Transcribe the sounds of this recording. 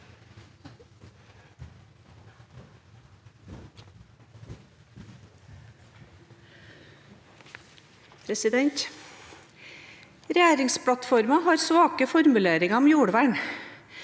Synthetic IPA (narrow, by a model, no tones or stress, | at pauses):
pʰɾɛsɪd̪ɛnt̪ | ɾɛjæːɾɪŋspʰɽɑt̪fɔɾmɑhɑːɾsʋɑːkəfɔɾmʉleːɾɪŋɑɔmjuːɽʋæːɳ